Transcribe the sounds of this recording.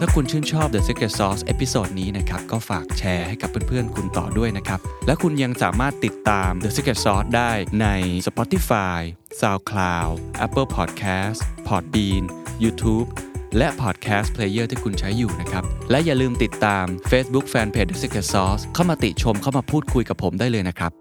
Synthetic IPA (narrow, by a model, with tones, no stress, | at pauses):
t̪ʰaː˥˩kʰu˧nt͡ɕʰɯː˥˩nt͡ɕʰɔː˥˩p̚d̪e˨˧se˦˥ke˧˩tsɔː˦˥sʔe˦˥pi˧soː˨˩t̪̚niː˦˥na˦˥kʰa˦˥p̚kɔː˥˩faː˨˩k̚t͡ɕʰɛː˦˥ha˥˩jka˨˩pːe˧˩npʰɯ˥˩ənkʰu˧nt̪ɔ̰ː˨˩du˥˩əjna˦˥kʰa˦˥p̚lɛ˦˥kʰu˧nja˧ŋsa̰ː˩˦maː˥˩t̪ːi˨˩t̪ːaː˧mde˨˧˥se˦˥ke˨˩t̪̚sɔː˦˥s̚daː˥˩jna˧jsa˧pɔː˦˥t̪ːi˧˩faː˧j | saː˧wkʰlaː˧wʔɛ˦˥pːɤː˥˩pʰɔː˨˩t̪̚kʰɛː˦˥spʰɔː˨˩t̪̚biː˧njuː˧t̪ʰuː˦˥p̚lɛ˦˥ʔpʰɔː˨˩t̪̚kʰɛː˦˥spʰleː˧jəː˥˩t̪ʰiː˥˩kʰu˧nt͡ɕʰa˦˥jːuː˨˩na˦˥kʰɾa˦˥p̚lɛ˦˥ʔjaː˨˩lɯː˧mt̪i˨˩t̪ːaː˧mfeː˦˥sbu˦˥k̚fɛː˧npʰeː˧˩de˧˥se˧ke˨˧˩sɔː˦˥skʰa˥˩wmaː˧t̪i˨˩t̪̚t͡ɕʰo˧mkʰa˥˩wmaː˧pʰuː˥˩t̪̚kʰu˧jka˨˩pʰːo˩˦mdaː˥˩lɤː˧jna˦˥kʰɾa˦˥p̚